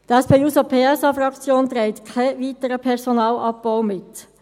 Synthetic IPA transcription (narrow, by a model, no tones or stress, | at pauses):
d̥əɛspeːuːsopʰeːɛsɑfɾɑkt͡sjoːnt̪ɾæɪtkʰaʋiːtəɾəpʰɛʁsɔnɑːlɑb̚b̥aʊmɪt̪